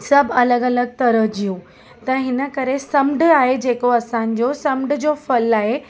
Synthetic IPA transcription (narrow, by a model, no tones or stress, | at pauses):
sɐbʱɐləɡɐləɡ̚t̪ɐɾəd͡ʑijũ | t̪ɐɦɪnə̆kɐɾesɐmɖaːɦed͡ʑeːkoɐsãːn̆d͡ʑosɐmɖ̆d͡ʑoːfɐlaːɦe